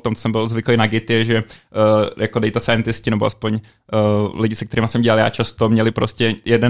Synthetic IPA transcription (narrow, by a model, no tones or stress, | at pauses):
t̪omt̪o̥sɛmbɪlzvɪklɛjnaɡɪt̪ɪjɛʒɛ | jakodɛjt̪ɛsajɛnt̪ɪscɪnɛboʔa̰spoɲ | lɪɟɪsɛk̚t̪ɛɾimasɛmɟɛlaljaːt͡ʃast̪omɲɛlɪpɾoscɛjɛdɛ